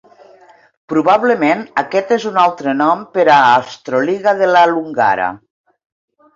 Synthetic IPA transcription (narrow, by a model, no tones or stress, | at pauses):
pɾuβaβləmenakɛt̪ezunalˠt̪ɾənɔmpeɾaːst̪ɾoliɣaðelaluŋɡa̰ɾa̰